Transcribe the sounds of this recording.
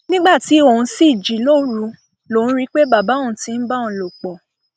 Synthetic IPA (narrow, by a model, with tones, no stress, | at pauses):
nĩ˦ɡ͡ba˦˨ti˨˦o˦˨hũ˧si˦˨d͡ʒi˨lo˦ɾu˨˧ | lo˨nũ˦ɾi˦k͡pe˦ba˦˨ba˨˦ũ˨˦ti˧˦n̩˦ba˦ɔ̃˨lo˨k͡pɔ˨